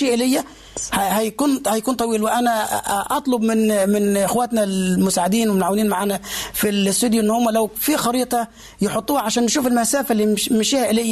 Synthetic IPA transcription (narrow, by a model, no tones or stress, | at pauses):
iːʔɪlɪjːæ | hhæjkuːnhæjkuːnt̪ˤɑwiːlwɪʔænæʔɑt̪ˤlobmɪnmɪnʔɪxwæːt̪nælmʊsaːʕɪd̪iːnwɪmnʕawɪniːnmaʕaːnæfilst̪ːud̪jʊʔɪnːhʊmːælæwfixɑɾiːt̪ˤɑ | jɪħot̪ˤːuːhɑʕaʃæːnːɪʃuːfɪlmæsæːfælːimɪʃiːhæʔɪlejːæ